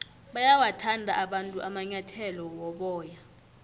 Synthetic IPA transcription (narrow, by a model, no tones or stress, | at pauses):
ɓajawatʰandʱaʔaɓantʼuʔamaɲatʰɛlɔwɔɓɔːja